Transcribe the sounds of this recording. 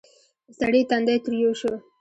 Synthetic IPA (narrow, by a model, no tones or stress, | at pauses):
saɽet̪and̪at̪ɾjoʃə